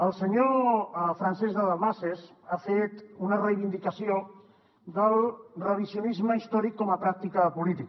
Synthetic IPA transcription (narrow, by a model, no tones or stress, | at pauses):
əlˠsəɲofɾansɛzðəðalmasezafet̪unərəjβ̞ind̪ikəsio | ðəlˠrəβizjunizməist̪ɔɾikːɔməpɾak̚t̪ikəpulit̪ik